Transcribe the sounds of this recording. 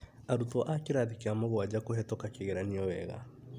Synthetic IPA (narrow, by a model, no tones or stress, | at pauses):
aɾutɔʔakeɾaðikeamɔɣwad͡ʑakoɦɛtokakeɣeɾaniɔwɛ̰ɣa̰